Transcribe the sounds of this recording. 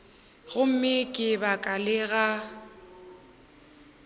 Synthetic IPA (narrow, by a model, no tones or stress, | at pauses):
ɣʊm̩mɪkʼɪbakʼalɪɣa